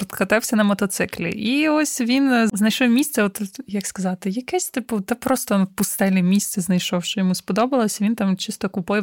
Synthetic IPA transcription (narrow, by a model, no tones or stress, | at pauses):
ɾt̪kɐt̪ɛwsʲɐnɐmɔt̪ɔt̪sɪklʲḭʔiɔsʲʋʲinznɐjʃɔmʲisʲt̪sɛɔt̪jɐkskɐzɑt̪ɪjɐkɛsʲt̪ɪpʊd̪ɛpɾɔst̪ɔnwpʊst̪ɛlʲimʲist̪sɛznɐjʃɔwʃt͡ʃɔjɔmuspɔd̪ɔbɐlˠɔsʲɐʋʲint̪ɑmt͡ʃɪst̪ɔkʊpɔjɛ